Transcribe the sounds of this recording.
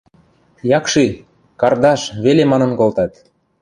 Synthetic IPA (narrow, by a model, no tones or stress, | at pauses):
jɑkʃi | kɑrd̪ɑʃβelemɑnɤ̆nkolt̪ɑt̪